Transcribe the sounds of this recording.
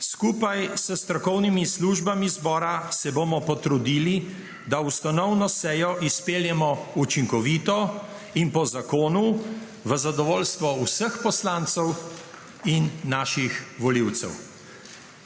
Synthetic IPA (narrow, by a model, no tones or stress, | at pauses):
skuːpajsəst̪ɾɔkɔwnimisluʒbamizbɔːɾasɛbomɔpɔt̪ɾud̪iːli | d̪aust̪anɔwnɔsɛːjɔʔispeljɛmɔut͡ʃiŋkɔʋiːt̪ɔ | inpɔzakoːnu | ʋəzad̪ɔʋoːlst̪ʋɔusəxpɔslant̪sɛw | inːaːʃixʋɔliwt̪sɛ̰w